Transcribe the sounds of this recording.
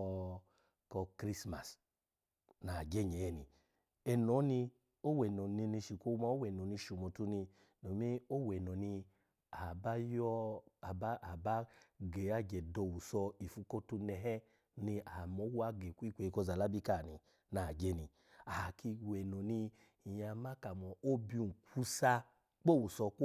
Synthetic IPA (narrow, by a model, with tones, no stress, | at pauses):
kɔ˧kɾi˦sma̰˨s | na˨d͡ʒe˦˨ɲɛ˨ɛ˦˨ni˧ | ɛ˧nɔ˨˦ni˧ | o˦wɛ˨nɔ˨ni˧ni˧ʃi˨kʷo˧ma˧˦o˦wɛ˨nɔ˨ni˧ʃu˨mɔ˨tu˧ni˧ | no˨˦me˦o˦wɛ˨nɔ˨ni˧ | a˨ba˦jɔ˦a˨ba˦ʔa˨ba˦ɡe˨a˦d͡ʒɛ˨dɔ˧˨wu˨sɔ˧i˨fu˧˦ko˦tu˧nɛ˧ɦɛ˦ | ni˧a˨mɔ˨˦wa˦ɡe˨ku˦i˦kʷe˨i˧ko˧za˨la˦bi˦ka˦˨ni˨ | na˨d͡ʒe˧˦ni˧ | a˨ki˧wɛ˨nɔ˨ni˧˨ | ja˧ma˦ka˨mɔ˨o˦bi˧˨kʷʰu˧˦sa˧ | k͡po˦˨wu˨sɔ˧k